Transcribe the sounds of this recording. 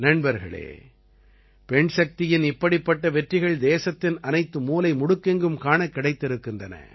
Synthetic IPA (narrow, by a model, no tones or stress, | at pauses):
nɐɳbɐɾɣɐ̰ɭḛː | pɛɳʂɐk̚t̪ɪjɪnɪpːɐɽipːɐʈːɐʋɛʈrɪɣɐɭd̪eːsɐt̪ːɪnɐnɐɪt̪ːɯmuːlɐɪmʊɽɯkːɛŋɡɯmkaːɳɐkːɪɽɐɪt̪ːɪɾɯkːɯndɐnɐ̰